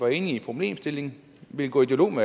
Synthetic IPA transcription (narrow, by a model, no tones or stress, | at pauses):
ʋɑ̈e̝ːniipʰʁo̝b̥le̝̰ːmsd̥e̝le̝ŋ | ʋe̝lɡ̥ɔ̰ːid̥e̝lo̝̰ːme